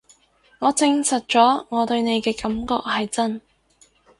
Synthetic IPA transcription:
ŋɔː˨˧t͡sɪ˧ŋsɐ˨t̚t͡ʃɔː˨˥ŋɔː˨˧t̪ɵ˧ɥne˨˧jkɛː˧kɐ˨˥mkɔ̰ː˧k̚hɐ˨jt͡sɐ˥n

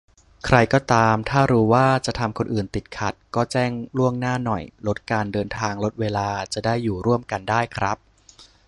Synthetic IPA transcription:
kʰɾa˧jkɔː˥˩t̪aː˧mt̪ʰaː˥˩ɾuː˦˥waː˥˩t͡ɕa˨˩t̪ʰa˧mkʰo˧nʔɯː˨˩nt̪i˨˩t̪̚kʰa˨˩t̪̚kɔː˥˩t͡ɕɛː˥˩ŋɾu˥˩əŋnaː˥˩nɔ˨˩jlo˦˥t̪̚kaː˧ndɤː˧nt̪ʰaː˧ŋlo˦˥t̪̚weː˧laː˧t͡ɕa˨˩daː˥˩jːuː˨˩ɾu˥˩əmka˧ndaː˥˩jkʰɾa˦˥p̚

